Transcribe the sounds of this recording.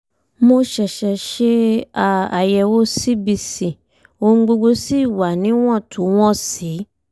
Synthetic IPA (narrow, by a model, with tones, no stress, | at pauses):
mo˧ʃɛ˨ʃɛ˨ʃe˧a˨a̰˨jɛ˧wo˦si˦bi˧sĩ˨ | o˧˦ŋ̩˧ɡ͡bo˧ɡ͡bo˧si˦˨wa˨nĩ˨˦w̃ɔ̃˦˨tʰu˨˦w̃ɔ̃˦˨si˨˦